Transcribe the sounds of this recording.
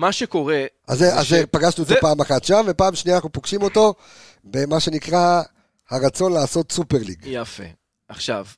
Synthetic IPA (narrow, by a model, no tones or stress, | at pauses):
maʃeko̞ʁeʔa̰zeaepaɡaʃnuezepaːmaχatʃamve̞paːmʃnianaχnupoɡ̥ʃimo̞to̞ | bemaʃe̞nikʁa | haʁat͡so̞nlaːso̞t̪supe̞ʁlḭɡjafḛ | ʔaχʃa̰v